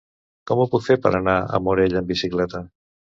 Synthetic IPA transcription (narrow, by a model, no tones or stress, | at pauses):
kɔmupukfeɾpə̰ɾənaə̰muɾeʎəmbisiklɛt̪ə